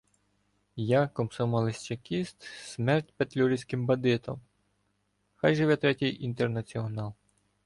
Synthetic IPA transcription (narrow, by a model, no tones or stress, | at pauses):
jakɔmsɔmɐlˠɪsʲt͡ʃɐkʲist̪smɛrtʲpet̪lʲuɾʲisʲkɪmbɐd̪ɪt̪ʰɔ̰m | xɑjʒɪʋɛt̪ɾɛtʲijʔint̪ernɐt͡sʲiɔnɑlˠ